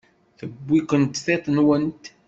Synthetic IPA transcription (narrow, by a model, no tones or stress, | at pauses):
θəbːiqənt̪θet̪ˤənwənt̪